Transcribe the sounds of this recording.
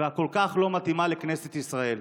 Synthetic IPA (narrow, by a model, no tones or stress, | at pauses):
ako̞lkaχlo̞mat̪imalekne̞set̪isʁae̞l